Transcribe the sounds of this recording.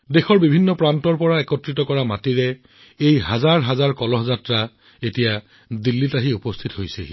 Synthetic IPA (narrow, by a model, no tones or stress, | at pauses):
dexɔɹbibʱinːɔpɹantɔɹpɔɹaɛkɔtɹitɔkɔɹamatiɹɛ | ejɦazaɹɦazaɹkɔlɔɦzatɹa | etija | dilːitaɦiupɔstʰitɦojseɦi